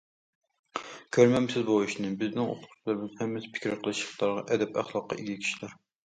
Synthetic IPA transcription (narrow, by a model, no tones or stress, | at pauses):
kʲʰøɾmɛmsɪzbouʃnɨbɪznɪŋo̰t̪ʰʊqʰʊ̥t͡ʃʰilˠɨɾɨmɪzhɛmːɛsɪ̥pʰɪ̥kʲɪɾqʰəlˠɨʃəχlˠɑɾʁɑʔɛd̪ɛpæ̰χlˠɑqːɑ̰ʔiɡʲikʲʰi̥ʃilæɾ